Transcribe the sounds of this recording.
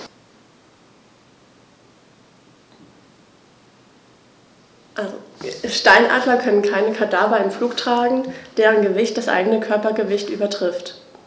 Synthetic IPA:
ʔalzʃtaɪnʔa̰ːdlɐkʰœnənkʰaɪnəkʰadaːbɐɪmfluːktʁ̥aːɡŋ̩d̥eːʁənɡəvɪçt̚d̥asʔa̰ɪɡənəkʰœɐpɐɡəvɪçtʔy̰ːbɐtʁ̥ɪft

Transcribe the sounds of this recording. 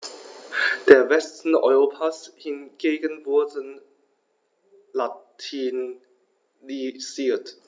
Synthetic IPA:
d̥eːɐvɛstn̩ɔ̰ʏʁoːpʰashɪnɡ̥eːɡənvʊɐdən | latʰiːn | liziːɐt

